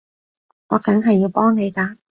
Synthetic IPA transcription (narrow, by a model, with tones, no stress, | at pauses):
ŋɔ̰ː˨˧kɐ˨˥ŋɦɐ˨jːiː˧wpɔː˥ŋne˨˧jkaː˧